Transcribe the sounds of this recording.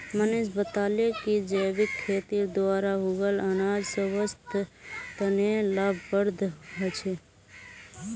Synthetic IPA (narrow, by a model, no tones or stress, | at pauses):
mənesbət̪aːlekid͡ʒəːʋɪkʰːeːt̪iɾd̪ʋaːɾaɦuɡələnaːd͡ʒsəʋəst̪t̪ənelaːbbəɾd̪ʱɦət͡ʃʰe